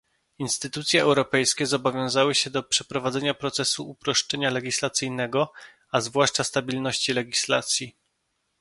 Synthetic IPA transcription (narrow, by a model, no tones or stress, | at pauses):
inst̪ɘt̪ut̪sʲjɛɛwɾɔpɛjskʲɛzɔbɔvʲjɔ̃w̃zawɘɕɛd̪ɔpʂɛpɾɔvad̪zɛɲapɾɔt̪sɛsuupɾɔʂt͡ʂɛɲalɛɡʲislat̪sɘjnɛɡɔ | azvwaʂt͡ʂast̪abʲilnɔɕt͡ɕilɛɡʲislat̪sʲji